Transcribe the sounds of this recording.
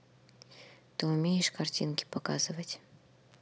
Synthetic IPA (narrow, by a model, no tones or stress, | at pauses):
t̪ɨʊmʲejɪʂkɐrtʲinkʲɪ̥pɐka̰zɨvətʲ